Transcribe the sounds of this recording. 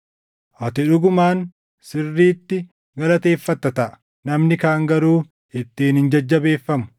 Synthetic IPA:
ʔɐt̪ɪᶑʊɡʊmaːn | sɪrːiːt̪ːɪ | ɡɐlɐt̪e̞ːfːɐt̪ːɐt̪ɐʔɐ̥ | nɐmnɪkaːŋɡɐɾuː | ɪt̪ːiːnhɪnd͡ʒɐd͡ʒːɐbe̞ːfːɐmʊ̥

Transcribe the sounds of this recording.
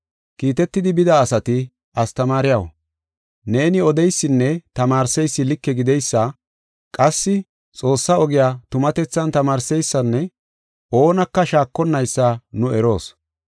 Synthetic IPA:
kiːt̪ɛt̪ːɪd̪ɪbɪd̪ɐːsɐt̪ɪ | ɐst̪ɐmaːɾɪjɐwɐ̰ | ne̞ːnɪɔd̪ɛjsːɪnːɛt̪ɐmaːɾsɛjsːɪlɪkːɛɡɪd̪ɛjsːɐ | kʼɐsːɪ | t͡sʼo̞ːsːɐɔɡɪjaːt̪ʊmɐt̪ɛt͡sːɐnt̪ɐmaːɾsɛjsːɐnːɛ | ʔo̞ːnɐkːɐʃaːkːɔnːɐjsːanʊɛɾo̞ːs

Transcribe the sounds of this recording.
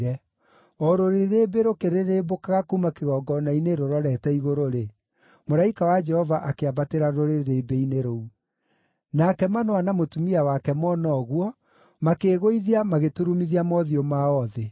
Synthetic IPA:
ɾɛ | ɔɾoɾeɾebeɾokeɾeɾebokaɣakuumakeɣɔɡɔnaineɾoɾɔɾɛtɛiɣoɾoɾe | moɾaikawad͡ʒɛhɔvaʔakeabateɾaɾoɾeɾebeineɾou | nakɛmanoanamotumiawakɛmɔnɔɣwɔ | makeɣoiðiamaɣetuɾumiðiamɔðiomaɔðe

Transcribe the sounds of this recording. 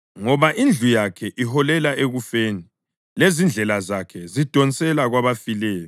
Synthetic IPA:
ŋɔβaʔind͡ɮʱujakʰɛʔiɦɔlɛlaʔeɣufeːni | lezind͡ɮʱɛlazakʰɛzid̥ʱɔnt͡sʼɛlaɣwaβafilɛːjɔ

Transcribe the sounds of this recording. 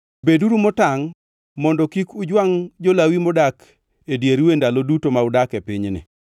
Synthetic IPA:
beduɾumɔtaŋ | mɔndɔkikʊd͡ʒwaŋd͡ʒolawimɔdak | edjeɾwendalodutomaʊdakepiɲnɪ̰

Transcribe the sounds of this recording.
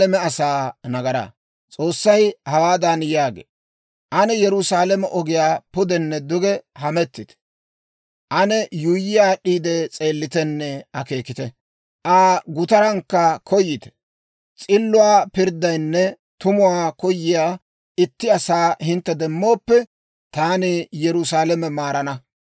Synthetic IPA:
ɛmɛɐsaːnɐɡɐɾɐ̰ | t͡sʼo̞ːsːɐjhɐwaːd̪ɐnjaːɡḛː | ʔɐnɛjɛɾʊsaːlɛmɛʔɔɡɪjaːpʊd̪ɛnːɛd̪ʊɡɛhɐmɛt̪ːɪt̪ɛ̥ | ʔɐnɛjʊjːɪjaːɗiːd̪ɛt͡sʼe̞ːlːɪt̪ɛnːɛɐke̞ːkɪt̪ɛ | ʔaːɡʊt̪ɐɾɐŋkːɐkʰɔjːɪt̪ɛ̥ | t͡sʼɪlːʊwaːpɪɾd̪ɐjnːɛ | t̪ʊmʊwaːkɔjːɪjaː | ɪt̪ːɪɐsaːhɪnt̪ːɛd̪ɛmːo̞ːpːɛ | t̪aːnɪjɛɾʊsaːlɛmɛmaːɾɐnɐ

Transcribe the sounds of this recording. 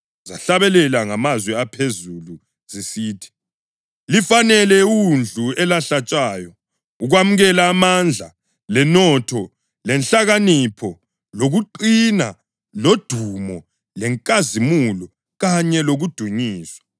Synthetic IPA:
zaɬaβɛlɛlaŋamazwɛapʰezulu | zisiːtʰi̥ | lifanɛlɛund͡ɮʱuɛlaɬat͡ʃʼaːjɔ | uɣwamuɣɛlaːmand͡ɮʱa | lɛnɔtʰɔ | lɛnɬaɣanipʰɔ | loɣuǃina | lod̥ʱumɔ | lɛŋkʼazimulɔ | ɣaɲɛloɣud̥ʱuɲiːswḁ

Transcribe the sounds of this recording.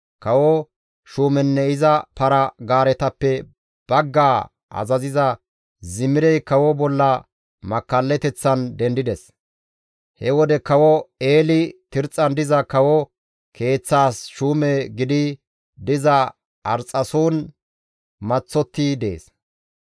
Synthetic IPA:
kɐwɔ | ʃuːmɛnːɛɪzɐpɐɾɐɡaːɾɛt̪ɐpːɛ | b̥ɐɡːaː | ʔɐ̰zɐzɪzɐ | zɪmːɪɾɛjkɐwɔbɔlːɐ | mɐkːɐlːɛt̪ɛt͡sːɐnd̪ɛnd̪ɪd̪ɛs | hɛwɔd̪ɛkɐwɔeːlɪt̪ɪɾt͡sʼːɐnd̪ɪzɐkɐwɔ | kʰe̞ːt͡sːaːsʃuːmɛɡɪd̪ɪ | d̪ɪzɐ | ɐɾt͡sʼːɐsuːn | mɐt͡sːɔt̪ːɪd̪e̞̰ːs

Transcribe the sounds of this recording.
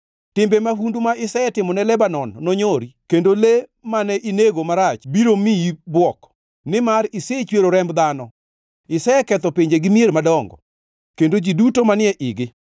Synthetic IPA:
tɪmbemahundumaʔɪsɛɛtɪmɔnɛlɛbanɔnːɔɲoɾikendolemanɛʔineɡomaɾat͡ʃbiɾomibwɔk | nɪmaɾɪset͡ʃweɾoɾɛmbd̪anɔ | ɪsaɛkɛt̪ɔpeɲd͡ʒeɡɪmieɾmadɔŋɡɔ̰ | kendod͡ʒidutomanɪɛʔɪɡɪ

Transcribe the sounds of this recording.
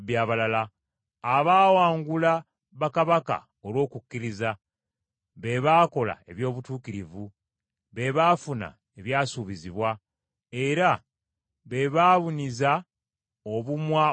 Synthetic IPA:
bjaːβalalaː | βaːwaːŋɡula | βakaβaka̰ | olwo̞ːkukːiɾiza | βe̞βaːko̞la̰e̞βjo̞ːβutuːkiɾivu | βe̞βaːfuna̰ | eβjaːsuβiziβwa | e̞ɾa | βe̞βaːβuniza | oβumwa

